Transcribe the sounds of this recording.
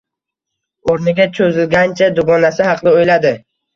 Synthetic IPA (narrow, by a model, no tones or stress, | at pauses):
oɾnɪɡʲat͡ʃʰɵzɪlɡʲant͡ʃʰad̪ʊɡɒnasɪhɑqd̪ɪojlad̪ɪ